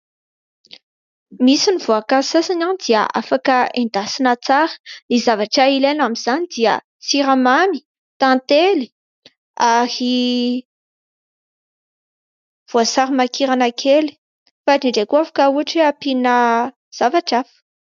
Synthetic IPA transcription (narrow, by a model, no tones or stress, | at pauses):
misinivoakasasananid̪iə̰ʔafakəend̪asinət͡saɾə̥lizavaʈ͡ʂailenamiz̥anid̪iə | siɾamami̥ | t̪ãnt̪eli̥ | ahi | v̥oasaɾimakiɾanakʰeli̥ | faʈ͡ʂiɳɖ͡ʐekuafḁkauaʈ͡ʂeapinə | z̥avaʈ͡ʂafə̥